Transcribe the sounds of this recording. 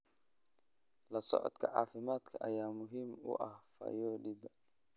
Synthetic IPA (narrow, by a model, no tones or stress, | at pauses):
lɐsɔ̰ʕɔ̰d̪kʰɐʕa̰ːfɪmaːd̪kʰɐʔɐjaːmʊɦɪmʊ̰ʔɐhfɐ̰jɔːɗɪd̪ɐ